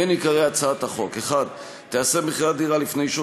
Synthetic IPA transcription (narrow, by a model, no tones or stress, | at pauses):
enikaʁeat͡saat̪aχo̞keχad̪ | t̪easemiχiʁad̪iʁalifne̞jʃu